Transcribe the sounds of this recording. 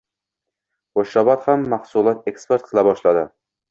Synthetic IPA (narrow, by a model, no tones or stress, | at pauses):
χoʃːɒbɒt̪hamːahsulˠɒt̪ekspe̞ɾt̪̚qʰɨlˠabɒʃlad̪ɪ